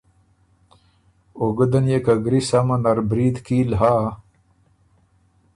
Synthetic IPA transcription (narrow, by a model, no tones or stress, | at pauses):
oɡəd̪ɐnjekaɡɾisamɐnaɾbɾiːd̪kiːlɦaː